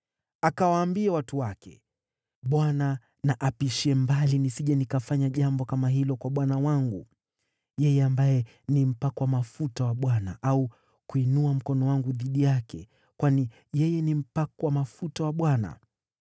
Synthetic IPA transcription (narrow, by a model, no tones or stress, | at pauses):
akawaːmbiawatuwakɛ̰ | ɓwana | naʔapiʃiɛmbalinisiʄɛnikafaɲaʄambɔkamaɦilɔkwaɓwanawaŋɡu | jɛjɛambajɛ | nim̩pakɔwamafutawaɓwanaʔau | kuinuam̩kɔnɔwaŋɡuðiɗijakɛ | kwani | jɛjɛnim̩pakɔwamafutawaɓwana̰